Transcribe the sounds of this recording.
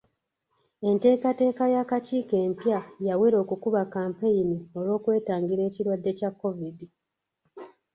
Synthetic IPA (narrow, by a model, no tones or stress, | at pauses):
e̞nte̞ːkate̞ːkajakaciːke̞ːmpjajaweɾo̞ːkukuβakaːmpe̞jinio̞lo̞ːkwe̞ːtaːŋɡiɾe̞ːciɾwadːe̞cakːo̞vidi